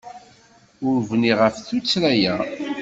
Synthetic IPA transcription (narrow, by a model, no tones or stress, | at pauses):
ʊɾvniʁəfθut͡sːɾæjæ